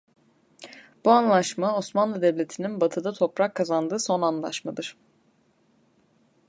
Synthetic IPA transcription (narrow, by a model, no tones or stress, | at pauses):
b̥uanlˠaʃmao̞smanlˠɯd̪ɛvlʲe̞t̪ʰininbat̪ʰɯd̪at̪ʰo̞pɾakʰːazand̪ɯːso̞nanlˠa̰ʃmad̪ɯɾ̥